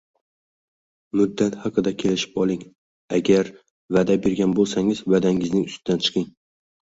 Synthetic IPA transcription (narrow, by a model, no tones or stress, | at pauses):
mʊd̪ːat̪hɑqʰɨd̪akʲʰe̞lɪʃɪ̥pɒlˠɪŋ | aɡʲaɾ | vad̪abe̞ɾɡʲanbolˠsaŋɪz̥vad̪aŋɪznɪŋʊst̪ɪd̪ant͡ʃʰɨ̥qʰɪŋ